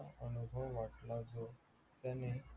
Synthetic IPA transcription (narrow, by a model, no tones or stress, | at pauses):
onubʱɔaʈlad͡ʑo | t̪ɛne